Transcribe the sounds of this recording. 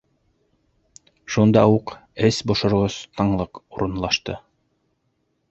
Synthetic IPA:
ʃund̪ɑuqɘsbŏʃŏɾʁoz̥t̪ɑɴlˠɤquɾɤ̆nlˠɑʃt̪ɤ

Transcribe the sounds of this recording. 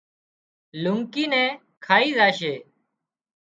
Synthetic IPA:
lʊŋkiːnɛ̃ː | kʰaːiːzaːʃeː

